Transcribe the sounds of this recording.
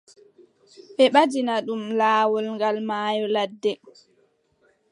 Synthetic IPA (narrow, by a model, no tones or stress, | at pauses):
ɓɛɓad͡ʒinaɗumlaːwɔlŋɡalmaːjɔladːɛ